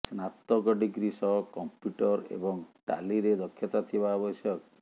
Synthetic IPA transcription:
snat̪ːɔɡɔɖiɡɾisɔɦkɔmpjuʈɔɾḛbɔŋʈa̰liɾed̪ɔkʰːjɔt̪at̪ʰibaɔbɔsjɔk

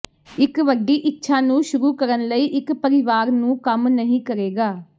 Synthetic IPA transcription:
ɪkʋəɖːiːʔɪtːʃʰaːnũːʃʊɾuːkəɾənləiːʔɪkpəɾɪʋaːɾnũːkəmnəɦĩːkəɾeːɡaː

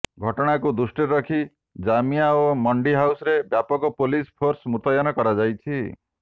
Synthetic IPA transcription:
ɡʱɔʈɔɽ̃akud̪usʈiɾɔkʰi | d͡ʒamijaomɔɳɖiɦawsɔɾebjapɔkɔpolispʰoɾsmut̪ɔjanɔkɔɾad͡ʒajt͡ʃʰi

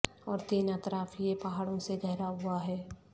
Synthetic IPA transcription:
ɔːɾt̪iːnət̪ɾaːfjepaɦaːɽõseɡɛɦɾaɦʊaɦɛː

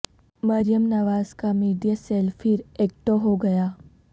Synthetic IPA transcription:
mɐɾijəmnɐʋaːz̥kamiːɖijaseːlfʰɪɾeːk̚ʈoɦoɡɐjaː

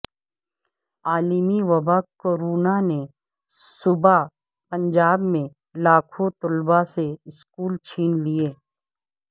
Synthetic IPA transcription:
aːlɪmiʋɐbakoɾuːnane | sʊba | pɐ̃ɲd͡ʒaːbmẽ | laːkʰot̪ʊlbaseɪskuːlt͡ʃʰiːnlieː

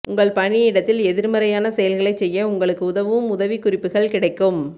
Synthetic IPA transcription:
ʔʊŋɡɐɭpɐɳɪɪɽɐt̪ːɪlɛðɪɾmɐɾɐjaːnɐsɛjɐlɣɐɭɐɪt͡ʃːsɛjːɐʊŋɡɐɭɯkːɯʊðɐʋɯʋɯmʊðɐʋikːʊrɪpːɯɣɐɭkɪɽɐɪkːɯm

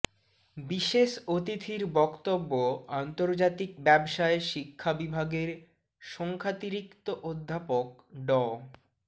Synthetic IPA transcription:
biʃeʃot̪it̪ʰiɾbɔkt̪obːoant̪oɾd͡ʑat̪ik̚bɛbʃaeʃikʰːabibʱaɡeɾ | ʃɔŋkʰat̪iɾikt̪oʔod̪ʱːapok̚ | ɖɔ

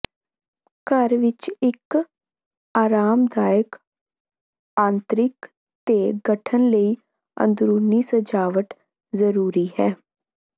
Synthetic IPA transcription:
kəɾʋɪt͡ʃɪk | aːɾaːmd̪aːjək | ãːnt̪ɾɪk | t̪eːɡəʈʰənləiː | ə̰̃nd̪ɾuːniːsəd͡ʒaːʋəʈ | zəɾuːɾiːhɛː

